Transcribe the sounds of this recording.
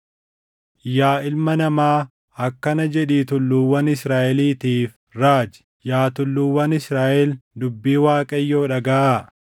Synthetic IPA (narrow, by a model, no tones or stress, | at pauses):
jaːʔɪlmɐnɐmaː | ɐkːɐnɐd͡ʒɛᶑiːt̪ʊlːuːwɐnɪsɾaːʔɛliːt̪iːf | ɾaːd͡ʒɪ̥ | jaːt̪ʊlːuːwːɐnɪsɾaːʔɛld̪ʊbːiːwaːkʼɐjːo̞ːᶑɐɡɐʔaː